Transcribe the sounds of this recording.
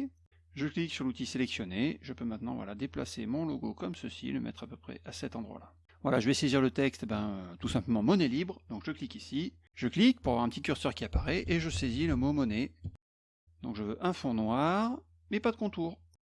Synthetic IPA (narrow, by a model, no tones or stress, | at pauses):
ʒəkliksyʁlut̪iselɛksjɔneʒəpømɛ̃t̪nɑ̰̃vwa̰lad̪epla̰semɔ̃loɡokɔmsəsḭḛləmʔɛ̰t̪χapøpχɛ̰ʔasɛt̪ɑ̃d̪ʁwa̰la | vwalaʒəvɛseziʁlət̪ɛkst̪ebɛ̃øt̪usɛ̃pləmɑ̃mɔnɛlibʁd̪ɔ̃kʒəklikisi | ʒ̥əklik̚puʁavwaʁɛ̃pət̪ikʲyʁsœʁkʲiapaʁɛʔeʒəseziləmomɔnɛ | d̪̥ɔ̃kʒəvøʔɛ̃fɔ̃nwaʁ | mɛpad̪əkɔ̃t̪uːʁ